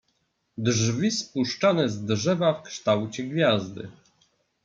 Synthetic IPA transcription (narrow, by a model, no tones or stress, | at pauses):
d̪ʐvʲispuʂt͡ʂanɛzd̪ʐɛvafkʂt̪awt͡ɕɛɡvʲjazd̪ɘ̰